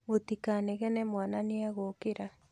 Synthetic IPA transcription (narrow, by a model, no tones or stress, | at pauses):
ot̪ikaneɣɛnɛmwananeaɣokeɾa